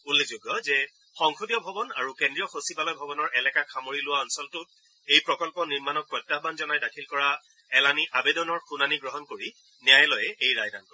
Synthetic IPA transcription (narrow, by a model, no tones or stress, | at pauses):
ulːezuɡjɔzɛ | xɔŋxudijɔbʱɔbɔnaɹukendɹijɔxosibalɔjbʱɔbɔnɔɹʔɛlɛkakʰamoɹilʊwaɔnsɔltʊt̚ | ejpɹɔkɔlpɔniɹmanɔk̚pɔtːabanzɔnajdakʰilkɔɹa | ɛlaniʔabedɔnɔɹxunaniɡɹɔɦɔnkoɹi | nɛjajlɔjɛʔejɹajdankɔ